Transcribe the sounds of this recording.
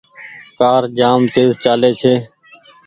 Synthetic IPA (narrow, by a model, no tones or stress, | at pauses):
kaːɾd͡ʒaːmt̪eːzt͡ʃaːleːt͡ʃʰeː